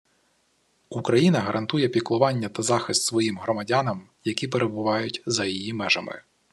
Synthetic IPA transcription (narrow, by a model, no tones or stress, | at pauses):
ukɾɐjinɐɦɐɾʔɐnt̪ujɛpʲiklˠʊʋɑnʲːɐt̪ɐzɑxɪst̪sʋɔjimɦɾɔmɐdʲɑnɐm | jɐkʲip̬eɾe̞bʊʋɑjʊtʲzɐjijimɛʒɐ̰mɪ̰